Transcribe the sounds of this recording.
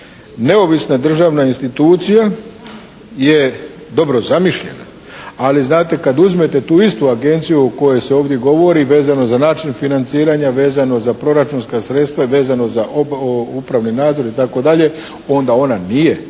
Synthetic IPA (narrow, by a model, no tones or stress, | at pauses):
ne̞o̞ʋisnad̪r̩ʒaːʋnainst̪it̪uːt̪sija | je̞d̪o̞bɾo̞zamiʃʎe̞̰na̰ | aliznaːt̪e̞kad̪uzme̞t̪e̞t̪uːist̪uaɡe̞nt̪sijuoko̞je̞jseo̞ːʋd̪ʲje̞ɡo̞ʋo̞ɾiʋe̞ːzano̞zanaːt͡ʃinfinant̪siːɾaɲaʋe̞ːzano̞zapɾo̞ɾat͡ʃunskasɾe̞t̪st̪ʋaʋe̞ːzano̞zaʔupɾaʋninaːd̪zo̞ɾit̪ako̞d̪aʎe̞ | o̞nd̪ao̞nanije̞